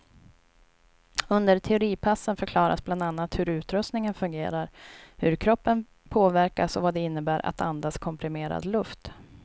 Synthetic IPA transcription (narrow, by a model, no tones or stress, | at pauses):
ɵnd̪əɾt̪ʰɛʊɾiːpʰasːənfœɾkʰlɑːɾa̰sbland̪anːat̪hɵɾʉ̟ːt̪ɾɵsk̪nɪŋənfɵŋɡḛːɾaɾhɵɾkʰɾɔpːən | pʰoːvæɾkasɔvad̪ɛɪn̪ːəbæːɾʔa̰t̪ʰand̪askʰɔmpɾɪmeːɾa̰d̪lɵft̪